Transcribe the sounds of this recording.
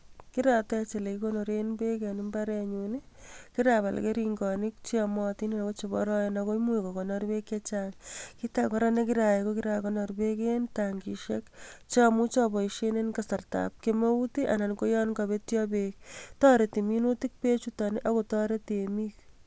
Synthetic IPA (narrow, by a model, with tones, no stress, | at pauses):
ki˦ɾatɛ˦t͡ʃe˨le˨kikono˨ɾenbe˦ka˨ni˦mbaɾɛ˦ɲuni | kiɾaba̰˨l̰ke˦ɾiŋɡɔ˨ni˦k̚t͡ʃiɔmɔ˦ti˦ni˦a˨ko˦t͡ʃebɔ̰ɾɔ˦jenako˦mu˦ikɔ˨kɔ˨nɔɾbe˦kːet͡ʃaŋkitakɔɾa˦ne˦kiɾa˨je˨koki˦ɾa˨kɔnɔ˨ɾbekentaŋɡiʃekt͡ʃamu˦t͡ʃɔ˦bɔ˨iʃenenkasa˨rta̰p̚kema˦utiʔana˨nko˦jɔ˦nka˨βe˦tjɔ˦bek̚tɔ˦ɾe˨ti˨mi˦nutik̚pe˦t͡ʃutɔni˦ʔa˦ko˨tɔ˦ɾe˦temik